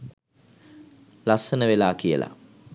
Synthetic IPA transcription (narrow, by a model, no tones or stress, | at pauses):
lasənəʋelaːkijə̰lʔa̰